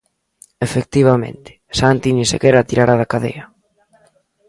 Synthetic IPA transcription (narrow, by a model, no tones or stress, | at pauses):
efek̚t̪iβ̞amḛ̃nt̪ɪ̥sant̪inĩsḛkɛɾat̪iɾaɾaðakaðḛjɐ